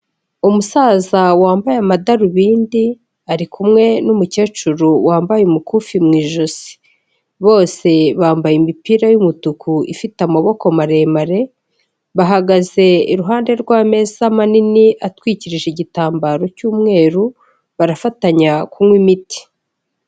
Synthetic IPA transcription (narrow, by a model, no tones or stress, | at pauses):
umusaːzawaːmbajamadaɾuβiːndi | aɾikʰumŋe̞numuce̞ːt͡ʃuɾuwaːmbajumukufimŋiːʒoz̥i̥ | βo̞ːse̞βaːmbajimipiːɾajumutukʰuḭfitamaβo̞ko̞maɾe̞ːmaɾe̞ | βaɦaɡaze̞iɾuɦaːnde̞ɾɡwaːme̞ːzamaniniʔatwiːciɾiʒeɟitaːmbaɾo̞cuːmŋe̞ːɾu | βaɾafataɲakumŋwimiti̥